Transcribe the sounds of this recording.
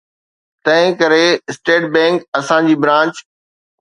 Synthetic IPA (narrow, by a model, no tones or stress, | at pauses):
t̪ɐ̃ɦɪ̃kɐɾeɪsʈeːʈ̚bɛ̃ːŋkɐsãd͡ʑiːbɾãːt͡ɕ